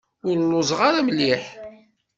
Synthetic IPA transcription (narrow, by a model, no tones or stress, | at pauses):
ʊɾlːʊzˤʁaɾaməlːiħ